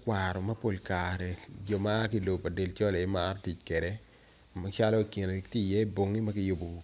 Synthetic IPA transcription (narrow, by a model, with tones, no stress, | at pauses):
kwa˨ɾɔ˨mɐ˦po˨lkaɾɛ˨d͡ʒɔ˦maː˦ki˦lo˨pa˨de˨lt͡ʃɔ˦le˨e˦ma˦ɾti˨t͡ʃkwe˨ɾe˦ | ma˦t͡ʃa˦lɔ˦ki˨n˨kti˦˨jɛ˦bo˨ŋːi˦mɐ˦kɪ˦jʊ˦bo˨